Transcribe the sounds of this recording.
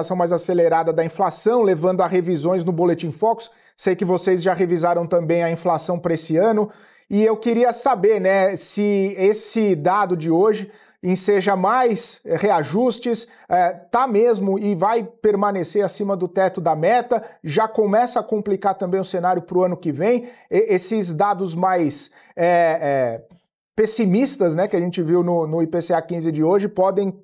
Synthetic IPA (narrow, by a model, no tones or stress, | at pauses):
sɐ̃w̃majzaseleɾad̪ɐd̪ɐĩflasɐ̃w̃levɐ̃nd̪ʊaɦevizõj̃znʊbolet͡ʃĩfɔksʊ̥ | sejkɪvosezʒaɦevizaɾɐ̃w̃t̪ɐ̃mbẽj̃ɐĩflasɐ̃w̃pɾɐesɪɐ̃nʊ | ɪewkɪɾiɐsabeɾnɛsɪesɪd̪ad̪ʊd͡ʒɪoʒɪ | ẽseʒɐmajsheaʒust͡ʃɪs | ɛt̪amezmʊɪvajpeɾmɐ̃neseɾasĩmɐd̪ʊt̪ɛt̪ʊd̪ɐmɛt̪ɐʒakomɛsɐkõmplikaɾt̪ɐ̃bẽj̃ʊsenaɾjʊpɾʊɐ̃nʊkɪvẽj̃esɪzd̪ad̪ʊzmajs | ɛɛ | pesimist̪ɐznɛkɪaʒẽt͡ʃɪviwnʊnʊipeseakĩzɪd͡ʒɪoʒɪpɔd̪ẽj̃